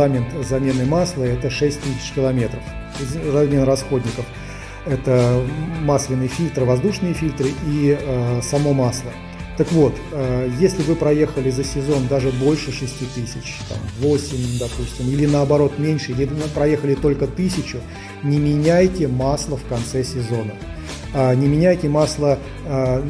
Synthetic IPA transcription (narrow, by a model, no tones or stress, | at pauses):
amʲɪnt̪zɐmʲe̞nɨmaslˠəɛt̪əʂɛsʲt̚ʲt̪ɨsʲɪ̥t͡ɕkʲɪlˠɐmʲe̞t̪ɾəfʲ | rɐmʲe̞nrɐsxo̞dʲnʲɪkəf | ɛt̪əmaslʲɪnɨjəfʲilʲt̪ɾɨvɐzd̪uʂnɨjəfʲilʲt̪ɾɨʔiəsɐmo̞maslˠə | t̪əkvo̞t̪əjesʲlʲɪvɨpɾɐje̞xəlʲɪzəsʲɪzo̞nd̪aʐɨbolʲʂɨʂɨsʲtʲit̪ɨsʲɪt͡ɕt̪a̰mvosʲɪmʲd̪ɐpusʲtʲɪmilʲɪnəɐbɐɾo̞t̪mʲenʲʂɨijʲɪnpɾɐje̞xəlʲɪt̪o̞lʲkət̪ɨsʲɪt͡ɕʊ | nʲɪmʲɪnʲæjtʲɪmaslˠəfkɐnt̪sɛsʲɪzo̞nə | nʲɪmʲɪnʲæjtʲɪmaslˠə